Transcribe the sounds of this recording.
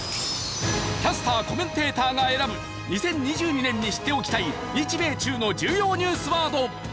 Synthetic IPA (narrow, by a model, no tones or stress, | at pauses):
kʲasɨ̥t̪aːko̞mẽ̞nt̪e̞ːt̪aːɡae̞ɾabɯ̟ | ɲ̟isẽ̞ɲ̟ːiʑɨːɲ̟inẽ̞ɲ̟ːiɕi̥t̪ːe̞o̞kʲi̥t̪ai | ɲʲit͡ɕibe̞ːt͡ɕɨːno̞d͡ʑɨːjo̞ːɲ̟ɨːsɨβaːd̪o̞